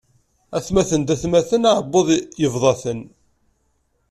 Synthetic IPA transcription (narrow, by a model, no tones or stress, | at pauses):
æθmæθənd̪æθmæθənaʕəbːoðˤjəvðˤɑθən